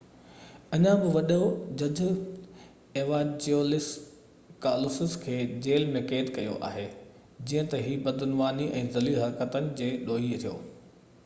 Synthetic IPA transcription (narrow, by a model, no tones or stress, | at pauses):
ɐɲãbɪʋɐɗod͡ʑɐd͡ʑʊ̆ | eːʋaːd͡ʑoːlɪs | kaːlʊsɪskʰeːd͡ʑeːlmẽkeːt̪kɐjo̰ʔa̰ːɦeː | d͡ʑiːə̃t̪ɐɦiːbɐd̪ʱʊnʋaːniʔɛ̃ːzɐliɦɐɾkət̪ənɪ̆d͡ʑeːɗoːɦit̪ʰijo̰ː